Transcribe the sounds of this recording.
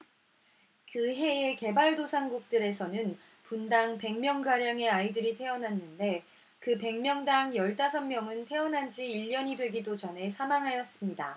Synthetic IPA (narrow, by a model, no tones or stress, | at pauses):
kɯɦe̞e̞ke̞baɭdosʰanɡuk̚t͈ɯɾe̞sʰʌnɯn | pundaŋpe̞ŋmjʌŋɡaɾjaŋe̞aidɯɾitʰe̞ʌnanːɯnde̞ | kɯpe̞ŋmjʌŋdaŋjʌɭt͈asʰʌmmjʌŋɯntʰe̞ʌnɦand͡ʑiːʎːʌɲidwe̞ɡidod͡ʑʌnɦe̞sʰamaŋɦajʌs͈ɯmɲida